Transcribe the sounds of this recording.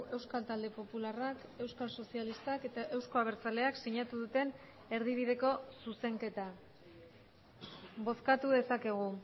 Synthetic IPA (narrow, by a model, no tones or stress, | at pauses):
e̞wskalt̪ald̪e̞po̞pularake̞wskalso̞sialist̪ake̞t̪aʔe̞wsko̞aβ̞e̞ɾt͡sale̞aksiɲat̪uðut̪e̞n | e̞ɾðiβ̞iðe̞ko̞suse̞ŋke̞t̪a | bo̞skat̪uðe̞sake̞ɣ̞u